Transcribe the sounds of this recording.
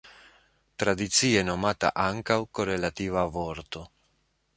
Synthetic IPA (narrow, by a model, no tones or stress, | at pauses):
t̪ɾad̪it̪siːenomat̪a̰ʔaŋkawkorelat̪ivavoɾt̪o